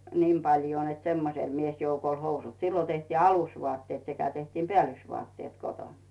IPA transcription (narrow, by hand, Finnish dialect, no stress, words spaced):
niːm pɑljoː net semːosel miesjoukolʲ housut silːo tehtiː ɑlusʋoɑˑtːeːt sekæ tehtiːm peæˑlysʋuɑˑtːeːt koton